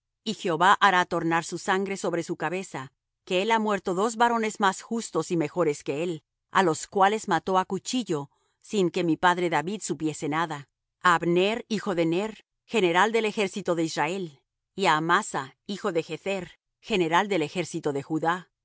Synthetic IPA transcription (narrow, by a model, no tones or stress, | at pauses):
ixeoβaʔaɾat̪o̞ɾnaɾsusaŋɡɾe̞so̞βɾe̞sukaβe̞sa | ke̞elamwe̞ɾt̪o̞ðo̞zβaɾo̞ne̞zmasxust̪o̞sime̞xo̞ɾe̞ske̞e̞l | a̰lo̞skwale̞zmat̪o̞akut͡ʃiʝo̞ | siŋke̞mipaðɾe̞ðaβiðsupje̞se̞naða | aːβneɾixo̞ðe̞neɾ | xe̞ne̞ɾald̪e̞lexe̞ɾsit̪o̞ðe̞izrae̞l | iaːmasaixo̞ðe̞xeθeɾ | xe̞ne̞ɾald̪e̞le̞xe̞ɾsit̪o̞ðe̞xuða